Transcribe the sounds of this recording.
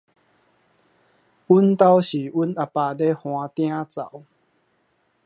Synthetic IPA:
u˦nt̪a˦wɕi˨˦ʔu˦na˧paː˧˩de˦hw̃ã˧t̪j̃ã˦t͡sa̰˨˦w

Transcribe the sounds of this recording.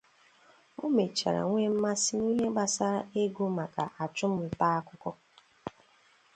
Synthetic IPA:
o˦me˨t͡ʃa̰˨ɾa̰˨ŋʷe˦m̩˦ma˦sɪ˦ni˦ɦe˦ɡ͡ba˨sa˦ɾa˦e˦ɡu˦ma˨ka˨ʔa˨t͡ʃʊ˦m̩˦m̩˨pa˦a˦kʷʊ˦kɔ˦

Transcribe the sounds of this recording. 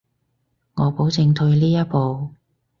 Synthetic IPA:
ŋɔː˨˧po˨˥wt͡sɪ˨˧ŋt̪ʰɵ˧ɥliː˥jɐ˥t̚po˨w

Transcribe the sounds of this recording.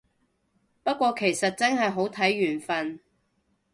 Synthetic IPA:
pɐ˥t̚kʷɔː˧kʰe˨˩jsɐ˨t̚t͡sɐ˥ŋɦɐ˨jɦo˨˥wt̪ʰɐ˨˥jːyː˨˩nfɐ˨n

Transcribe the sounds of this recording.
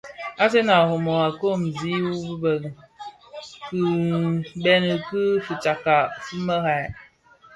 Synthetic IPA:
a˦s̬e˦na˨ho˨mo˨a˨ko˦˨m˨zi˨˦wu˦bu˦bə˨ | kɨ˦ | bɛ˦nə˨kɨ˦fɨ˨t͡ʃa˨ka˨fɨ˦mə˦ɣa˨

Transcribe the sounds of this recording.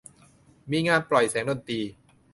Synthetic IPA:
miː˧ŋaː˧nplɔ˨˩jsɛː˩˦ŋdo˧˩nt̪iː˧

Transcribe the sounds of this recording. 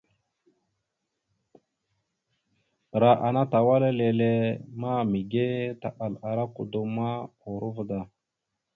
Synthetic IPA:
ɾa˨ʔa˨na˦ta˨wa˦la˦le˨le˦ma˦mi˨ɡe˦ta̰˨ɓa˨la˨ɾa˦kṵ˨du˨ma˦u˨ɾu˦vda˨

